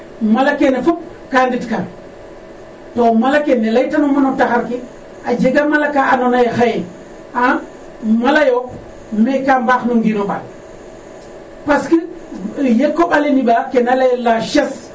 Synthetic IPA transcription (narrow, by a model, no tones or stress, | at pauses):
malakenefup̚ | kanditka | tomalakenːelajtanumanotaxaɾki | ad͡ʒeɡamalakaʔanonajexaji | a | malajo | mekambaxnuŋɡinoɓa̰l | paski | jekːoɓalinibakenalalaʃes